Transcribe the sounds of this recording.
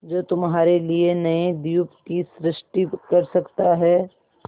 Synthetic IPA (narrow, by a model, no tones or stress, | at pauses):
d͡ʒoːt̪ʊmɦaːɾelienɐed̪ijupkisɾɪʃʈikɐɾsɐkt̪aɦɛː